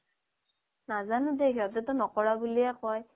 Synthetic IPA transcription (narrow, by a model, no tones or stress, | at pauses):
nazanʊdɛɦiɔtɛtʊnɔkɔɹabuliakɔj